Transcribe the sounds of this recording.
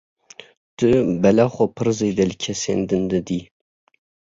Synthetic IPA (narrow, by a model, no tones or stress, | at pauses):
d̪̥ɨbɛlaχʷopʰɨɾzejd̪ɛlkʲʰɛsḛnd̪ɨnd̪ɨd̪i